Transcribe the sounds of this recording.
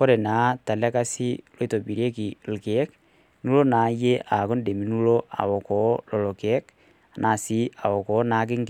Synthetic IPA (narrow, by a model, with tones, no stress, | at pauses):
ko˦ɾe˨naː˨˦ta˨le˦ka˦si˦lo˦i˦to˨bi˨ɾe˦ki˨lke˨˦k | nu˦lo˦na˨˦je˦ʔa˨ko˦nde˨mi˨nu˦lo˦ʔa̰˨wɔ˨kɔ˨˦lɔ˨lo˨ke˨˦k | a˨nʔa˨si˨˦ʔa˨wɔ˨kɔ˨˦naː˨˦k̬ɪ˦ŋɡ